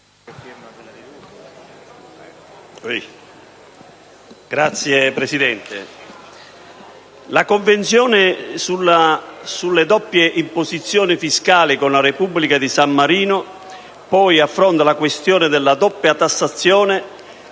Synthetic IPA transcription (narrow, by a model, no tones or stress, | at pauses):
ɡ̥ɾat̪sːjepɾesid̪ɛnt̪ɪ̰ | lakoɱvent̪sjɔːnɪsulasulːed̪ɔpːjeʔimpozit̪sːjɔːnɪfiskaːlikonlaɾepubːlikad̪isamːaɾiːnʊ | pɔjafːɾɔnt̪alakwest̪jɔːnɪd̪ɛlːad̪ɔpːjat̪asːat̪sːjɔːnɪ